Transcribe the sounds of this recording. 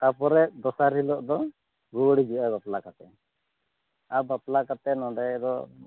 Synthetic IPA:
t̪apɔɾɛd̪ɔsaɾilɔʔd̪ɔ | ɡuwɽid͡ʒiʔabaplakat̪ɛ | abaplakat̪ɛnɔɖɛɛd̪ɔ

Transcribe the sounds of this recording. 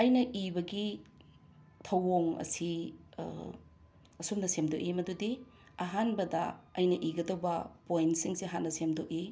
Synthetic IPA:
ɐjnɐʔibɐɡi | tʰɐwoŋɐ̰si | ɐsumnɐsemdok̚imɐdudi | ɐɦanbɐdɐɐjnɐʔiɡɐdɐwbɐpojntsiŋsiɐɦanːɐsemdok̚i

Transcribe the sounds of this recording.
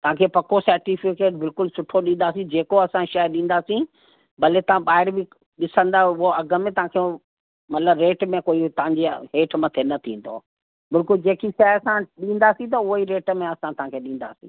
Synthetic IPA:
t̪ɐʋ̤ãkʰepɐkosɐɾʈifɪkeːʈbɪlkʊlsʊʈʰoɗĩːnd̪aːsĩd͡ʑeːkoɐsãʃaɪɗĩːn̆d̪aːsĩ | bɐlet̪ɐʋ̤ãɓaːɪɾbʱɪ | ɗɪsə̃nd̪aʊɦoɐɡʱə̆mẽt̪ɐɦãkʰe | mɐt̪ləbɾeːʈmẽkoːit̪ɐɦãɲd͡ʑeɦeːʈʰmɐ̃t̪ʰenɐt̪ʰĩːn̆d̪o̰ː | bɪlkʊld͡ʑeːkiʃɐɪəsãɗĩːn̆d̪aːsĩt̪̬ɐʊɦiɾeːʈmẽɐsãt̪ɐ̤ãkʰeɗĩːnd̪a̰ːsḭ̃ː

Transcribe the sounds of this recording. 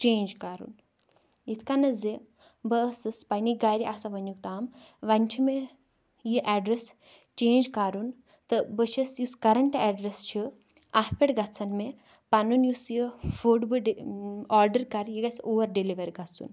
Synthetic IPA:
t͡ʃeːnd͡ʒkaɾṵn | it̪ʰkanɐze | bəsɨspɐniɡaɾiʔasɐʋɐnjukt̪aːm | ʋɐnʲt͡ʃʰime | jiʔɛɖɾes | t͡ʃeːnd͡ʒkaɾun | t̪ɨbət͡ʃʰɐsjuskɐɾɐɳʈɛːɖɾest͡ʃʰi | asʰpʲeʈɡɐt͡sɐnme | pɐnunjusjifoːʈbɨɖaːɾɖɐɾkɐɾjiɡɐsʲoːʋɐɾɖiliʋɐɾʲɡɐt͡sːṵn

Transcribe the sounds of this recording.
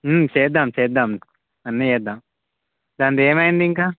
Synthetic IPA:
mt͡ʃɛːd̪ːamt͡ʃɛːd̪am | ɐnːet͡ʃɛːd̪aːm | d̪aːnt̪eːmɐjind̪iŋkaː

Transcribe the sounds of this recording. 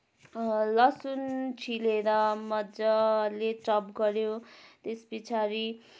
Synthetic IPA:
lʌsunt͡sʰileɾʌmʌd͡zʌleʈrʌpɡʌɾjot̪espit͡sʰaɾi

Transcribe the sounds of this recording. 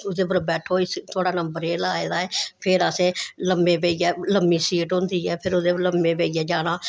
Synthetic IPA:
ʊd̪eːpəɾbɛːʈʰoːiːt̪ʰoːɽaːnəmbəɾeːlaːeːd̪aːɛːpʰɪɾəsẽːləmbẽːbeːijɛːləmːiːsiːʈɦõnd̪iːɦɛːpʰɪɾʊd̪eːləmbẽːbeːɪɛːd͡ʒaːñaː

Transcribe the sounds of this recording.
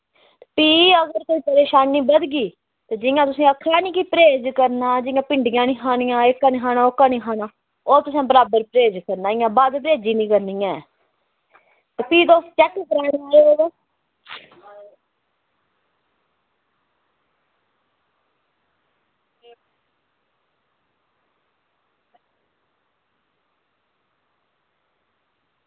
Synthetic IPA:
epiːəɡəɾkoːiːpəɾeːʃaːnːiːbəd̪ɡiː | t̪eːd͡ʒɪjãːt̪ʊsĩːəkʰːaːniːkiːpəɾeːd͡ʒkəɾnaːd͡ʒɪjãːpɪɳɖɪjãːnĩːɦʰaːnɪjãːɪkːaːniːɦaːnãːokːaːnĩːɦaːnãː | oːt̪ʊsãːbəɾaːbəɾpɾeːd͡ʒkəɾnaːɪjãːbaːd̪pɾeːd͡ʒiːnĩːkəɾniːjãːɛ | t̪eːpiːd̪oːst̪t͡ʃɛkːkəɾaːnːaːeːoːɡeː

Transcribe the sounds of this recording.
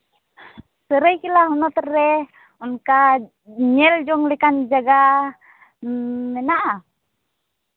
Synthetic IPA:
səɾəjkilaɦunɔt̪ɾɛ | ɔnka | ɲɛld͡ʒɔŋlɛkand͡ʒaɡa | mɛnaʔa

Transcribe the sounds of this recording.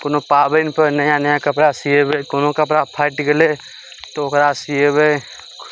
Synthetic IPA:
koːnopaːbənpənəjãnjãkəpɾasiebekonõkəp̬ɾapʰaɪʈɡəle | t̪ookɾasijebe

